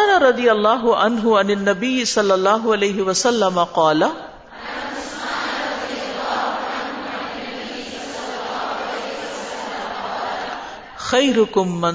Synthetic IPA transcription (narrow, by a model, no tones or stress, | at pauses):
naɾˤɑd̪ɪjɐlˤːɑːɦʊʕa̰nɦʊʕanɪnːɐbɪjːɪsɐlːɑlˤːɑːɦʊalejɦɪwɐsɐlːɐmɐqɑːla | lː | lː | xajɾʊkʊmːan